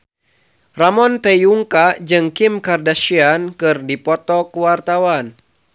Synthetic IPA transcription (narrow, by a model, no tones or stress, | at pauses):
ramɔnt̪ɛjuŋkad͡ʒɨŋkimkardaʃiankɨrdipɔt̪ɔkəwart̪awan